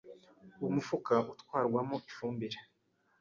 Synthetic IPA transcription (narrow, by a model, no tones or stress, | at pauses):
umufukaʔutkwaːɾɡwamoʔifuːmbiɾe